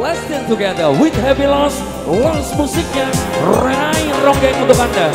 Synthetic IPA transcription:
lɛstɛ̃ntuɡɛðəwɪt̪̚hɛvilɔs | lɔsmusɪk̚ɲarajrɔŋɡaŋũnt̪ukãnda

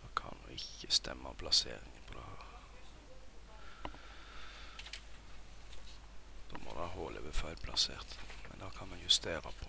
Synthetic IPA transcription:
d̪okʰɑnd̪uɪçəst̪ʰɛmːəɔmpʰlɑsḛːɾɪŋəpʰɔd̪ɛh | d̪̥omʔo̰d̪ɛɑhoːlʔəbəfɑʏlpʰlɑsḛːʁt̪mɛnd̪ɑːkʰɑnmɛnjʉst̪eːɾəpʰɔ

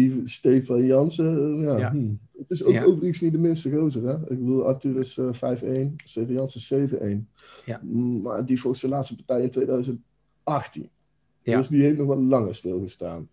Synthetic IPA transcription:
istejfɑnjɑnsəjaː | ətɪsowowvəriksnit̚dəmɪnstəɣrowt̬ərɛɪɡ̚bədulˠɑ̰fəntyːɾɪsfɛjfejnstefnjɑnsɪseːvə̰nʔḛjn | ma̰ːɹdivoɣsəlaːtstəpɑrtɛjɪntʋejdœɥzənt̚ | ʔɑxtḭn | døsdiɦeftnɔxʋɔtlɑŋəstɪlˠɣəsta̰ːn

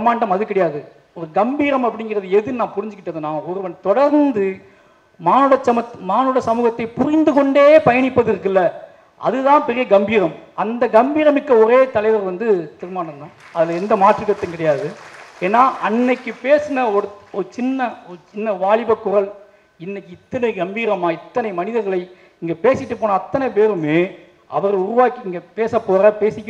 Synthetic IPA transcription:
maːɳɖɐmɐðɯkɪɽɐjaːðɯ | ɔɾɯɡɐmbiːɾɐmɐpːɐɽɪŋɡɪrɐðɯɛðɯnãːpʊɾɪɲd͡ʒɯkːɪʈːɐðɯnːãːɔɾɯʋɐɳt̪ɔɽɐɾnd̪ɯ | maːnɯɽɐt͡ʃːɐmɐmaːnɯɽɐsɐmuːɣɐt̪ːɐɪpʊrɪnd̪ɯkɔɳɖeːpɐjɐɳɪpːɐðɪɾɯk̬ːɪlːɐ | ʔɐ̰ðɯðãːnpɛɾɪjɐɡɐmbiːɾɐmɐnd̪ɐɡɐmbiːɾɐmɪkːɐɔɾeːt̪ɐlɐɪʋɐɾʋɐnd̪ɯt̪ɪɾɯmaːɳɖɐnd̪ãː | ɐðɪlɛnd̪ɐmaːʈrɯkːɐt̪ːɐŋkɪɽɐjaːðɯeːnːaːʔɐnːɐkːɯpeːsɯnɐɔɾɯɔɾɯt͡ʃɪnːɐɔɾɯt͡ʃɪnːɐʋaːɭɪbɐkːʊrɐl | ɪnːɐkːɯɪt̪ːɐnɐɪɡɐmbiːɾɐmaːɪt̪ːɐnɐɪmɐnɪðɐɾɣɐɭɐɪ | ɪŋɡɐpeːsɪʈːɯpːoːnaːt̪ːɐnɐɪpeːɾɯmeː | ʔɐ̰ʋɐɾɐɭʊɾʊʋaːkːiɪŋɡɐpeːsɐpːoːɾɐpeːsɪkʲː

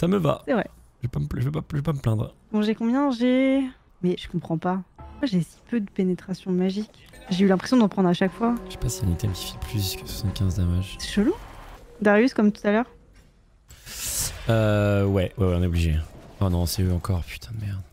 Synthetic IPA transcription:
saməva̰sɛvʁɛʒəvepaməpʒəvøpaəvepaməplɛ̃d̪ʁd̪ɔ̃ʒɛkɔ̃bjɛ̃ʒe | mɛʒə̥kɔ̃pχɑ̃pamwaʒesi̥pød̪əpenet̪χasjɔ̃maʒikʲʒeylɛ̃pχesjɔ̃d̪ɔ̃pχɑ̃d̪ʁaʃakfwaəʃe̥pasianet̪ɛmkʲi̥filpʰlyskə̥swḁsɑ̃t̪kʲɛ̃zd̪amaʒsɛ̥ʃəlud̪aʁjyskɔmt̪u̥t̪alœːʁ | øwɛwɛwɛɔ̃nɛobliʒeanɔ̃sɛøɑ̃kɔʁpy̥t̪ʰɛ̃mɛʁd̪

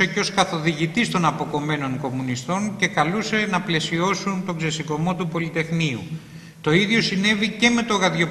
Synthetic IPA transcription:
eco̞skɐθo̞ðiʝit̪ist̪o̞nɐpo̞ko̞me̞no̞ŋko̞munist̪o̞nce̞kɐluse̞nɐple̞sio̞sunt̪o̞ɡze̞siko̞mo̞t̪upo̞lit̪e̞xniṵ | t̪o̞iðʝo̞sine̞vice̞me̞t̪o̞ɣɐðʝo̞

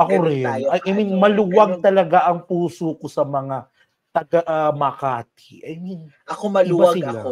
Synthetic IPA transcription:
ʔɐkoɾɪnɐjʔɐjminmɐluwaɡ̚t̪ɐlɐɡaʔɐŋpuːsokosɐmɐŋa | t̪ɐɡaʔmɐkaːt̪ɪ̥ʔɐjmin | ɐkomɐbaɐsɪla

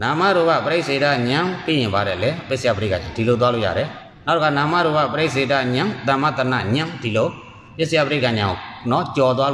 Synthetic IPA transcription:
nãmaɾoɡapəɾeʔsedaɲãpejɪ̃mbaɾɛlɛpɪsəjapəɾkãɲãdilot̪walo̰ja̰ɾɛ | natokʰanãmaɾoɡapəɾeʔs̬edaɲãt̪ãmat̪əna̰ɲãdilo | pɪsəjapəɾekãɲãnɔt͡ɕɔt̪̬wal

